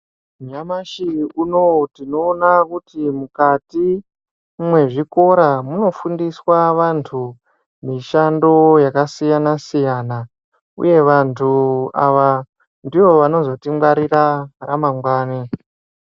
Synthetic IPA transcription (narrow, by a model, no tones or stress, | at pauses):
ɲamaʃiuno̞tino̞ːnakutimukati | mwe̞ʐiko̞ɾamuno̞fundiswaʋantʰu | miʃando̞jakasijanasijaːna | ṵje̞ʋantʰua̰ʋa | ndiʋo̞ʋano̞zo̞timɡwaɾiraramaŋɡwaːne